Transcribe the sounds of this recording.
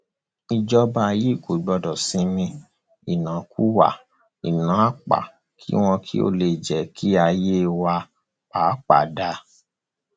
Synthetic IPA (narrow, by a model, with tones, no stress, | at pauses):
i˧d͡ʒɔ˧˦ba˧ji˦˨ko˨i˨ɡ͡bɔ˧dɔ˨sĩ˨˧˦mĩ˧ | i˨nã˨˦ku˦wa̰˦˨ | i˨nã˨˦a˦k͡pa̰˨ | kʰḭ˦w̃ɔ̃˧kʰi˦o̰˦le˧˨d͡ʒɛ˨˦kʰi˦a˧je˦˧wa˧ | aː˨˦k͡pa̰˨da˧˦